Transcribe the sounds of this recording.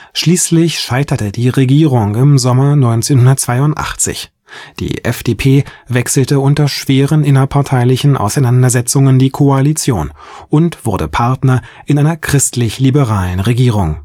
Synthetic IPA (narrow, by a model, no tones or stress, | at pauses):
ʃliːslɪçʃaɪtɐtədiːʁeɡiːʁʊŋɪmzɔmɐnɔʏnt͡seːnhʊndɐt̚t͡sv̥aɪʊntʔa̰χt͡sɪ̰ç | d̥ḭːʔɛ̰fd̥eːpʰeːvɛksl̩təʊntɐʃv̥eːʁənʔɪnɐpʰaɐtʰaɪlɪçn̩ʔa̰ʊsaɪnandɐzɛt͡sʊŋəndiːkʰoalit͡sjo̰ːnʔʊntv̥ʊɐdə̰pʰaɐtnɐʔɪnʔaɪnɐkʁ̥ɪstlɪçlibəʁaːlənʁeɡiːʁ̞ʊŋ